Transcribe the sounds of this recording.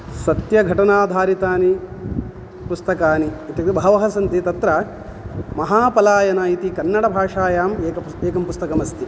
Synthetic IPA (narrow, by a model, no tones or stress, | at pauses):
sɐt̪jɐɡʱɐʈɐnaːd̪ʱaːɾit̪aːni | pust̪ɐkaːniːt̪jɐk̪ibɐɦɐʋɐɦɐsɐnt̪it̪ɐt̪ɾɐ | mɐɦaːpɐlaːjɐnɐit̪ikɐnːɐɽɐbʱaːʂaːjaːmeːkɐ | eːkɐmpust̪ɐkɐmɐst̪i